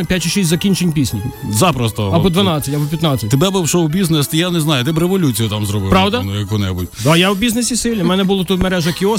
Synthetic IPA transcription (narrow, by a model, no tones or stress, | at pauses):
pʲjatʲt͡ʃiʃisʲzɐkʲinʲt͡ʃenʲpʲisʲnʲizɑpɾɔst̪ɔɐbɔd̪ʋɐnɑt͡sʲːɐtʲɐbɔpʲjɐt̪nɑt͡sʲːɐt̪ʲebɛbɪwʃɔwbʲiznest̪ɪjaneznɑjʊt̪ɪbɾeʋɔlʲut͡sʲijʊt̪ɑmzɾɔbɪ̰pɾɑwd̪ɐnjɐkʋɔnɛbṵtʲd̪ajawbʲiznesʲisɪlʲnʲɪmɛnɛbʊlˠɔt̪ut̪meɾɛʒɐkʲiɔ